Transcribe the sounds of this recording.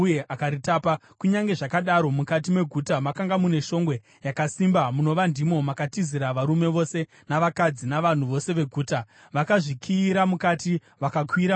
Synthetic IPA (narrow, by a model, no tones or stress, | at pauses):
jeʔakaɾitapa | kuɲaŋɡe̞ʐakaɗaɾo̞mukat̬ime̞ɡʱutamakaŋɡamune̞ʃo̞ŋɡwe̞ | jakasimbamuno̞ʋandimo̞makatiziɾaʋaɾume̞ʋo̞se̞ | naʋakad͡zinaʋan̤uʋo̞se̞ʋe̞ɡʱuːta | ʋakaʐikʰiːɾamukati | ʋakakʰwiɾa